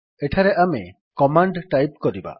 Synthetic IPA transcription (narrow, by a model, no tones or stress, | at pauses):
eʈʰaɾeʔame | kɔmaɳɖʈajp̚kɔɾiba̰